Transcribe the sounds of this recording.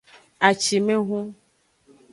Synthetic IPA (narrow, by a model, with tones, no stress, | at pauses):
a˨t͡ʃi˨mẽ˦ɦũ˦